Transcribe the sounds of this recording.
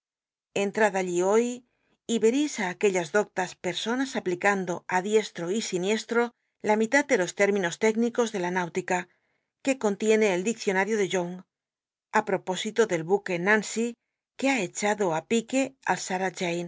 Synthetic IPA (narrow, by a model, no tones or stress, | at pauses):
e̞nt̪ɾaðaʎio̞j | iβe̞ɾisaːke̞ʎazðo̞k̚t̪aspe̞ɾso̞nasaplikand̪o̞aðje̞st̪ɾo̞isinje̞st̪ɾo̞ | lamit̪at̪̚d̪e̞lo̞st̪e̞ɾmĩno̞st̪e̞ɡniko̞zðe̞lanawt̪ika | ke̞ko̞nt̪je̞ne̞ːld̪ikθjo̞naɾjo̞ð̞e̞ʝoŋ | apɾo̞po̞sit̪oðe̞lβuke̞nãnsi | ke̞ae̞t͡ʃaðo̞apike̞a̰lsaɾad͡ʒejn